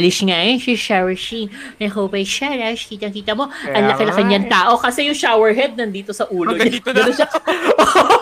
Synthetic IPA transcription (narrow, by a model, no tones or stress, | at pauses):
lɪʃŋajɛnʃɪʃawɛʃin | nɐɪkɐwbɐjʃalɐʃkiːt̪ɐŋkiːt̪ɐmo̞ʔɐnlɐkɪlɐkɐɲɐŋt̪aːʔo̞kɐsɛjʊŋʃawɛɹɦɛd̪̚nɐnd̪iːt̪o̞sɐʔuːloɲɡɐnoʃaʔo